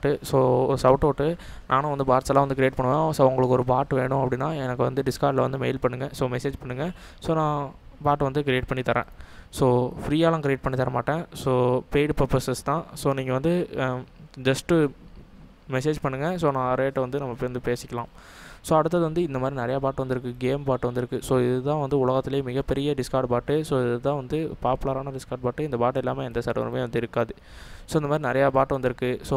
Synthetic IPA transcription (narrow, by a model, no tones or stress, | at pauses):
aʈːɯsoːsɐʊʈoːʈːɯ | nʔãːnʊ̃ʋɐnd̪ɯbaːɾsɐlãːʋɐnd̪ɯkɾɪjeːʈ̚pɐɳːɯʋẽːsoːʊŋɡɐɭɯkːɯɔɾɯbaːɾʈːʋeːɳʊ̃ɐpːɐɽɪnːaːɛnɐkːɯʋɐnd̪ɯɖɪskaːɾɖlɐʋɐnd̪ɯmeɪlpɐɳːɯŋɡɐ̃soːmɛseːd͡ʒpɐɳːɯŋɡɐ | soːnãː | baːɾʈːʋɐnd̪ɯk̬ɾɪeːʈ̚pɐɳːit̪ɐɾḛ̃ːsoːfɾiːjaːlãːkɾɪeːʈ̚pɐɳːit̪ɐɾɐmaːʈːẽːsoːpeːɖpɐɾpɐsɛst̪ãːsoːniːŋɡɐʋɐnd̪ɯ | d͡ʒɐsʈɯ | mɛs̬eːd͡ʒpɐɳːɯŋɡɐsoːnãːɐɾeːʈːʋɐnd̪ɯnɐmːɐpːoːjʋɐnd̪ɯpeːsɪkʲːɐlãː | soːɐɽɯt̪̬ːɐðɯʋɐnd̪ɯɪnd̪ɐmaːd̪ɾinɐɾɐjaːbaːʈːʋɐnd̪ɪɾɯkːɯɡeːmpaːʈːɯʋɐnd̪ɪɾɯkːɯsoːɪðɯt̪ãːʋɐnd̪ɯʊɭɐɣɐt̪ːɪlejɐmɪɣɐpːɛɾɪjɐɖɪskaːɾɖpaːʈːɯsoːɪðɐt̪ãːʋɐnd̪ɯpaːpɯlɐɾaːnɐɖɪskaːɾɖ̚paːʈːɯɪnd̪ɐpaːʈːɪlːaːmeɛnd̪ɐsɐɾʋɐ̰ɾɯ̰meːʋɐnd̪ɯɪɾɯkːaːðɯ | soːɪnd̪ɐmaːd̪ɾinɪɾɐjaːbaːʈːʋɐnd̪ɪɾɯkːɯsoː